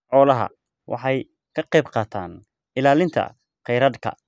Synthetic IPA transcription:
ʕɔːlɐɦɐ̰ | wʔɑ̰ħɑj | kʰɐqɛjbqɑːt̪ʰaːn | ɪlaːlɪnt̪ʰɐ̰ | qɛjɾɐd̪kʰɐ̰

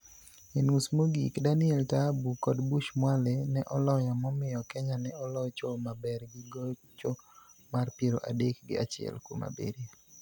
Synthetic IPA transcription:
enusmoɡikdanɪɛltabukɔdbuʃmwalɛnɛʔɔlɔjamɔmɪjɔkɛɲanɛɔlɔt͡ʃomabɛrɡiɡo | t͡ʃomarpjeɾoʔadek̚ɡɪ̰a̰t͡ʃɪɛ̰lkoma̰bḛɾja

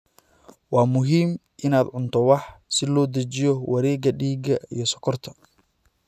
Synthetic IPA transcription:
wɑːmʊɦiːm | ʔɪnaːd̪ʕʊnt̪ʰɔwɑħsɪlɔːd̪ɐt͡ʃɪjɔwɐɾɛːɡɐɖiːɡɐḭjɞsɔkʰɔrt̪ʰɐ

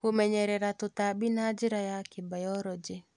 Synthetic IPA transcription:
komɛɲɛɾɛɾat̪ʊt̪abinad͡ʒɪɾajakɪbajɔɾɔd͡ʒe

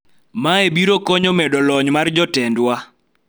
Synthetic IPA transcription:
maebiɾokɔɲɔmɛdɔlɔɲmard͡ʒɔtɛndwa

